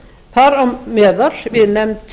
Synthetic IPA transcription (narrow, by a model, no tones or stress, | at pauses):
θaɾawmɛːðaɾ̥vɪðnɛmt̪